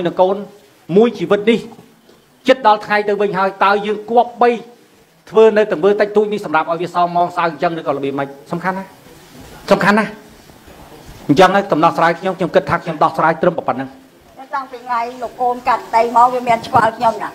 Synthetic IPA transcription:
jnɨŋkoːn | muəjt͡ɕiːʋɨt̪̚nih | t͡ɕɨt̪̚ɗɑlt̪ʰŋajt̪ɨwʋɨɲɦaəjt̪aəjəːŋkŏəp̚ɓəj | t̪ʰʋəːnɨwt̪ɨ̆əŋʋəːt̪əc̚t̪uːc̚nihsɑmrap̚ʔaɔjʋiəsɑːŋmːɑːŋsawɲt͡ɕəŋrɨːkɑːləɓiəməc̚sɑmkʰanːa | sɑmkʰanːah | ɲt͡ɕəŋakɑmnɑt̪̚sraːjkʰɲomkʰɲomkɨt̪ʰːaːkʰɲomɗɑhsraːjt̪rɨmpɑpət̪̚nɨŋ | ət̪ampiŋajlokːoːnkat̪ɗ̪əjmaːŋʋiəmiənt͡ɕʰʋalkʰɲomna

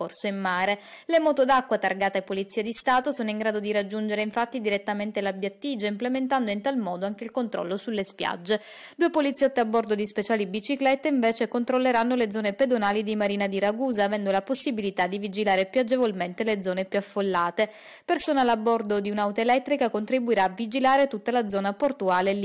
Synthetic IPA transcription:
ɔrsoimːaːɾe | lemɔːt̪od̪akːwat̪arɡaːt̪aepːolit̪siad̪ist̪aːt̪osoːnoiŋɡɾaːd̪od̪iɾad͡ʒːund͡ʒeɾeiɱfat̪ːid̪iɾet̪ːament̪elabjat̪ːid͡ʒaimplement̪and̪oint̪almɔːd̪oaŋk̟eilkont̪ɾɔ̰lːosulːespja̰d͡ʒːe | d̪uːepolit̪sːjɔt̪ːeabːɔrd̪od̪ispet͡ʃaːlibit͡ʃiklɛt̪ːeiɱveːt͡ʃekont̪ɾolːeɾanːoled̪zɔːneped̪onaːlid̪imaɾiːnad̪iɾaɡuːzaːvɛnd̪olaposːibilit̪ad̪ivid͡ʒilaːɾepjad͡ʒevolment̪eled̪zɔːnepjuafːolːaːt̪e | persoːnalabːɔrd̪od̪iunawt̪aelɛt̪ːɾikakont̪ɾibuiɾaːvid͡ʒilaːɾet̪ut̪ːalad̪zɔːnaport̪uaːlel

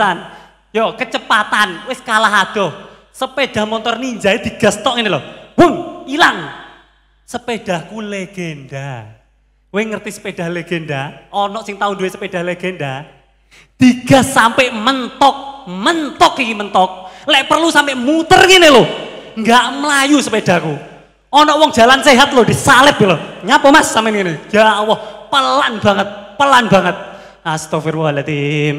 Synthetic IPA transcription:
an | jɔkət͡ʃəpat̪anwɪskalaɦad̪̥ɔh | səpeɖ̥a̤hmɔnt̪ɔrniɲd͡ʒaed̪̥iɡ̥ast̪ɔʔŋinelohwuŋilaŋ | səpeɖ̥ahkuleɡ̥eɛnda | weŋərt̪isə̥ped̥a̤hleɡ̥ɛndaɔnɔʔsɪŋt̪aʊnduwesəped̥a̤hleɡ̥ɛnda | d̪̥i̤ɡ̥a̤hsampeʔmənt̪ɔk̚mənt̪ɔkːikimənt̪ɔk̚lɛʔpərlusampeʔmut̪ərŋineloŋɡaʔməlajusəped̥a̤ku | ɔnɔʔwɔŋ̥d͡ʒ̥a̤lanseɦat̪̚lohd̥isalɪpiloɲapəmasːamɪnŋinejawɔhpəlanb̥a̤ŋət̪̚pəlanbaŋət̪̚ | ast̪ofirwɔlat̪i

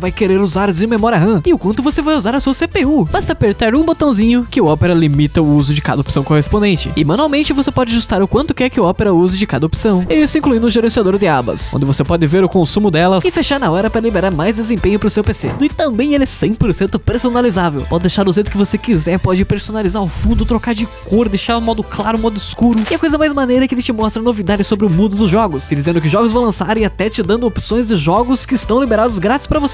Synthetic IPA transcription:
vajkeɾeɾuzaɾzɪ̃memɔɾiɐɦɐ̃ɪʊkwɐ̃nt̪ʊvosevajuzaɾɐsuɐsepeubast̪ɐpeɾt̪aɾũbot̪ɐ̃w̃zĩɲʊkɪʊɔpeɾɐlimit̪ɐʊuzʊd͡ʒɪka̰d̪ɐopsɐ̃w̃kohespõnd̪ẽnt͡ʃɪ̰ɪmãɐ̃nuawmẽnt͡ʃɪvosepɔd͡ʒɪaʒust̪aɾʊkwɐ̃nt̪ʊkɛɾkɪʊɔpeɾɐuzɪd͡ʒɪkad̪ɐopsɐ̃w̃ɪisʊĩŋkluĩd̪ʊʒeɾẽsiad̪oɾd̪ɪabɐ̰skõ̰nd̪ɪvosepɔd̪ɪveɾʊkõsũmʊd̪ɛlɐsɪfeʃaɾnɐɔɾɐpɾɐlibeɾaɾmajzd̪ezẽmpẽɲʊpɾʊsewpesḛd̪ʊɪt̪ɐ̃mbẽj̃elɛsẽj̃poɾsẽnt̪ʊpɾesonalizavḛwpɔd̪ɪd̪ejʃaɾʊzʒejt̪ʊkɪvosekizɛɾpɔd͡ʒɪpeɾsonalizaɾʊfũnd̪ʊt̪ɾokaɾd͡ʒɪkoɾd̪ejʃaɾ̃mɔd̪ʊklaɾʊ̃mɔd̪ʊiskuɾʊɪɐkojzɐmajzmanejɾɐkɪelɪt͡ʃɪmɔst̪ɾɐnovid̪ad͡ʒɪsobɾɪʊmũd̪ʊd̪ʊzʒɔɡʊsɪd͡ʒizẽnd̪ʊkɪʒɔɡʊzvɐ̃w̃lɐ̃saɾɪat̪ɛt͡ʃɪd̪ɐ̃nd̪ʊopsõj̃zd͡ʒɪʒɔɡʊskɪːst̪ɐ̃w̃libeɾad̪ʊzɡɾat͡ʃɪ̥spɾɐvose̥

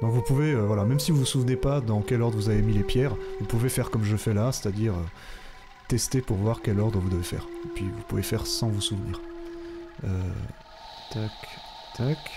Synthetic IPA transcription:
d̪ɔ̃kvupuveøvwalamɛmsivuvusuvnepad̪ɑ̃kʲɛlɔʁd̪ʁəvuzavemilepjɛʁvupuvefɛʁkɔmʒəfɛlase̥t̪ad̪iʁø | t̪ɛst̪epuʁvwaʁkʲɛlɔʁd̪ʁəvud̪əvefɛ̰ːʁepɥivupuvefɛʁsɑ̃vusuvnḭːʁ | ø̰ | d̪̥ɔk | t̪ɔk

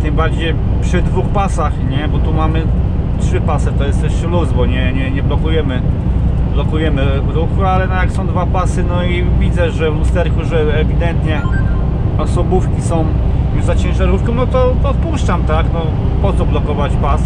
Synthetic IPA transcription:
t̪ɘmbaɾd͡ʑej | pʂɘd̪vuxpasaxɲɛbɔt̪umamɘ | tʂɘpasɘt̪ɔjɛst̪ɛɕɛluzvɔɲɛɲɛɲɛblɔkujɛmɘ | blɔkujɛmɘvɾuxualɛnɔjaksɔ̃w̃d̪vapasɘnɔivʲid̪zɛʐɛvlust̪ɛɾkuʐɛːvʲid̪ɛnt̪ɲɛ | ɔsɔbufkʲisɔ̃w̃ | zat͡ɕɛ̃w̃ʐɛɾufkɔnɔt̪ɔɔt̪̚puʂt͡ʂamt̪aknɔ | pɔt̪sɔblɔkɔvat͡ɕpas

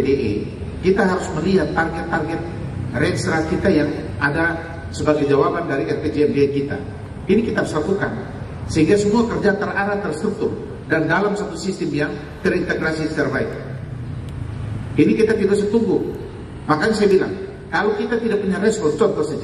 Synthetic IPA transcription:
deʔḛ | kit̪aɦaɾʊsməliɦat̪̚ːarɡɛt̪ːarɡɛt̪̚rɛkst̪ɾakit̪ajaŋʔada | səbaɡajd͡ʒawabandaɾiɛrped͡ʒeɛmbeːkit̪a̰ | inikit̪aɦaɾuslakuka̰n | səɦiŋɡasəmuakərd͡ʒat̪əraɾat̪ərst̪ɾuk̚t̪ʊr | dandalamsat̪usist̪ɪmjaŋ | t̪əɾint̪eɡɾasist̪ɛrbaik̚ | inikit̪afidosət̪uŋɡʊh | makansajabila̰ŋ | kalowkit̪at̪idak̚puɲaɾɛsbɔrt͡ʃɔnt̪ɔsəd͡ʒa

